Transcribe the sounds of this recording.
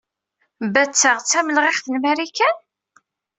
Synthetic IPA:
bæt͡sːəʁt͡sːæməlʁɪχθənmæɾikæn

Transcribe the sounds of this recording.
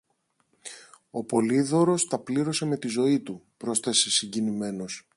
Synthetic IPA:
o̞po̞liðo̞ɾo̞st̪ɐpliɾo̞se̞me̞t̪izo̞it̪upɾo̞sθe̞se̞siɲɟinime̞no̞s

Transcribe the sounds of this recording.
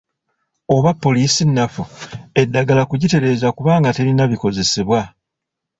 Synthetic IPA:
o̞βapːo̞liːsinːafue̞dːaɡalakuɟite̞ɾe̞ːzakuβaːŋɡate̞ɾinaβiko̞ze̞seβwa

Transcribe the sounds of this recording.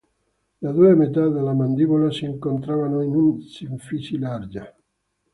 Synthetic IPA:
d̪ad̪uemet̪ad̪elamand̪iβolasiːŋkont̪ɾavanoinunsiɱfisilaɾd͡ʒa

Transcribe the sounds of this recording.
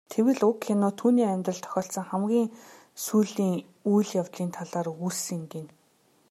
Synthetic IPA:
t̪ʰewɘ̆ɮʊkxenʊːt̪ʰuːniːæmʲt̪rə̆ɬt̪ʰœ̥xʲɔːɬsɞ̆ŋχæmɡʲiːŋ | sujɮiːŋ | ujɮjawt̪ɮiːnt̪ʰaɮaːrursinɡ̪en

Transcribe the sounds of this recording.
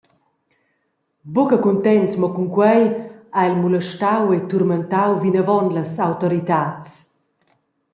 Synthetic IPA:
bukəkunt̪ɛnsmɔkuŋkwɛjailmuləʃt̪awet̪uɾmənt̪awvinəvɔnləsawt̪ɔɾit̪at͡s

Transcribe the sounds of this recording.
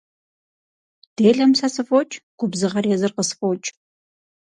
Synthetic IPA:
d̥eːɮɐmsɐsɨfʼot͡ʃʼɡ̥ʷʊbzɨʁɐrjɛzɨrqəsfʼowt͡ʃʼ

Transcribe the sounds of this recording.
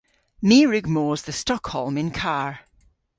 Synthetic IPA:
miːɹʉɡmoːzðəstɔkhɔlˠmɪ̃nkʰaɹ

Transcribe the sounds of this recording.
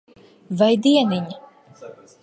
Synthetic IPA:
vajd̪iɛniɲa

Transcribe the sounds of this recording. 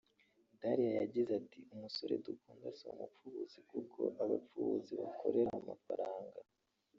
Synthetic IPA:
daɾijajaɟizatiumuso̞ɾe̞̰dukuːndasoumup͡fuβuz̥ikukʰo̞̰ʔaβa̰p͡fuβuziβakʰo̞̰ɾe̞ɾaaamafa̰ɾaːŋɡa

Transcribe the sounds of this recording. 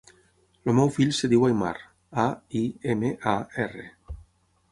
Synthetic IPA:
lomɛwfiʎseðiwajma̰ɾ | aiemeʔaere

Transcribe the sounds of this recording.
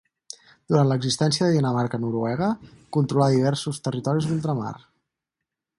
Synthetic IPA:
d̪̥uɾant̪ləɡzist̪ɛnsijəðəðinəmaɾkənuɾuɛɣ̞əkunt̪ɾulaðiβ̞ɛɾsust̪ərit̪ɔɾizðulˠt̪ɾəma̰r

